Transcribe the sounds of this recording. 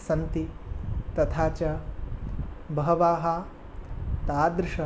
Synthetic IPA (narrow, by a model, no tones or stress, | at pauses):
sɐnt̪it̪ɐt̪ʰaːt͡ʃɐ | bɐɦɐʋaːɦɐ | t̪aːd̪ɾɪʃɐ